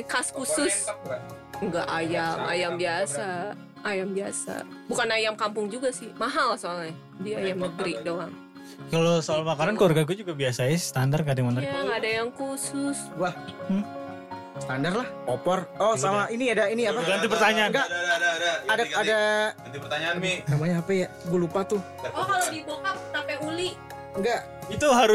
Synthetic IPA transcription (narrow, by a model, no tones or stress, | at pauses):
kaskusʊs | ŋɡa̰ʔajama̰jambiasaː | jambiasa̰ | bukanajamkampʊŋd͡ʒuɡasɪhmaɦalasoŋ | diaajamnəɡɾidoaŋ | kalosalamakaɾankarɡak̬ud͡ʒuɡabiasaast̪andarkadimant̪aaŋadajaŋkusʊswahm̩ | st̪andarlahopɔrɔsamaʔiniadainiapaɡant̪ipərt̪aɲaanɡaʔ | adaadaat̪ipərt̪aɲanmisamaɲaːpaja | ɡulupat̪ʊ | ɔkalodibolkampʊt̪ampɛuliʔ | ŋɡaʔ | it̪uɦaɾ